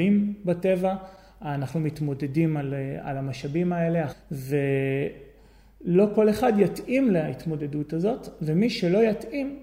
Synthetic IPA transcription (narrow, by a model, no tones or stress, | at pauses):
imbate̞vaː | naχnumitmo̞de̞dimala̰lamaʃabimae̞leave̞ | lo̞ko̞le̞χadjatimleaitmo̞de̞dutazo̞tvemiʃelo̞jatʔim